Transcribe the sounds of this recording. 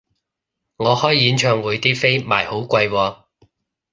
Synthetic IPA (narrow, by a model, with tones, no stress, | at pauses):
ŋɔː˨˧hɔː˥jjiː˨˥nt͡ʃʰœː˧ŋwuː˨˧jt̪iː˥fe˥jma̰ː˨˩jho˨˥wkʷwɐ˧jwɔː˧